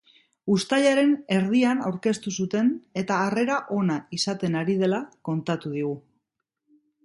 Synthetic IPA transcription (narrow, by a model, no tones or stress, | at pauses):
ust̪aʎaɾe̞ne̞ɾð̞ianawɾke̞st̪usut̪e̞ne̞t̪aːre̞ɾaʔo̞naisat̪e̞naɾið̞e̞lako̞nt̪at̪uð̞iɣ̞u